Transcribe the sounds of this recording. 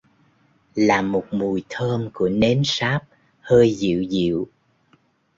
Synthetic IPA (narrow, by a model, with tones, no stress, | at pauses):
laː˨˩mo˨˩t̚mu˨˩jt̪ʰəː˧mku˧˩əne˨˦nsaː˦˥p̚ | həː˧jzḭ˧˨wzḭ˧˨w